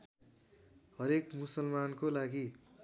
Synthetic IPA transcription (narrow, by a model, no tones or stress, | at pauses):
hʌɾekmusʌlmankolaɡi